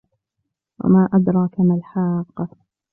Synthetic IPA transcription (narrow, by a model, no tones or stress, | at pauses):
wa̰maːʔad̪ɾˤɑːkamalħaːqː